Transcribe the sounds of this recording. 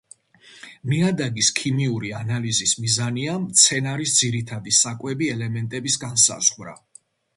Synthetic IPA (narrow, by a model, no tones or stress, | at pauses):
miad̪aɡiskʰimiuɾianalizismizaniamt̪sʰɛnaɾisd̪ziɾit̪ʰad̪isakʼwɛbiɛlɛmɛnt̪ʼɛbisɡansa̰z̥ʁvɾa̰